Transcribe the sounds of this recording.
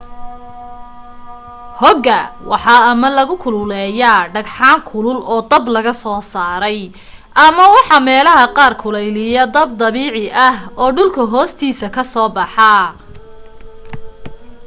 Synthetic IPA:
hɔɡɐwʔɑħɑːɐmɐlɐɣʊkʰʊlʊlɛːjaɖɐɡħɑːŋkʰʊlʊlɔːd̪ɐblɐɣɐsɔːsaːɾɛj | ʔɐmɐwɑħɑːmɛːlɐɦɐqɑːrkʰʊlɛjlɪjɐd̪ɐb̚d̪ɐβiːʕɪʔɐhɔːɖʊlkʰɐɦɔːst̪ʰiːsɐkʰɐsɔːbɑħɑ

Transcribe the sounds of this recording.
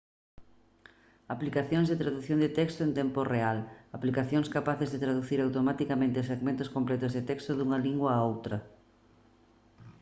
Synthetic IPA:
aplikaθjõŋzðet̪ɾaðuθjond̪et̪ɛkst̪oent̪ɛmporealaplikaθjoŋskapaθezðet̪ɾaðuθiɾawt̪omat̪ikamẽnt̪ɪseɣmẽnt̪ʊskomplɛt̪ʊzðɪt̪ɛkst̪oðuŋɐliŋɡwɐːowt̪ɾɐ

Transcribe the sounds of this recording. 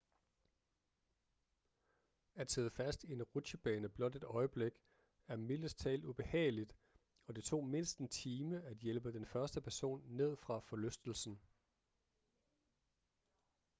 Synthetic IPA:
æd̥seːð̞ˠfæsd̥ie̝nʁud̥ɕəb̥ɛːnəb̥lɒ̽d̥e̝d̥ɒ̽ɪəb̥leɡ̥ | æɐmiləst͡sʰɛ̰ːlub̥e̝hɛ̰ːɪlid̥ | ɒ̽d̥e̝t͡sʰo̝̰ːme̝nsd̥n̩t͡sʰiːməæd̥jelb̥əd̥enfɶɐsd̥əpʰæɐso̝̰ːnːe̝ð̞̰ˠfʁɑ̈fɒ̽løsd̥l̩sn̩

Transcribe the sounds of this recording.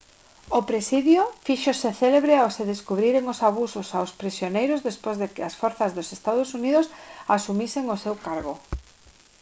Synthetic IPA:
opɾesiðjʊfiʃosɪθeleβɾeoseðeskuβɾiɾeŋosaβ̞usʊsawspɾisjonejɾʊzðespozðekɪasfɔɾθazðʊsest̪að̞osuniðʊsasumiseŋosewkaɾɣ̞o

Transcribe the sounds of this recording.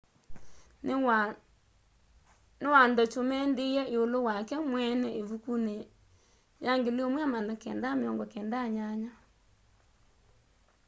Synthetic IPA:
newandɔt͡ʃomɛndeɛeolowakɛmwɛnɛeβukune | jaŋɡeleomwamanakɛndameɔŋɡɔkɛndaɲaɲa

